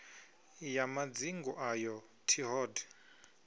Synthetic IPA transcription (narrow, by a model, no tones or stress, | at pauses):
jamad͡ziŋɡɔʔajɔ | tʰiɦɔd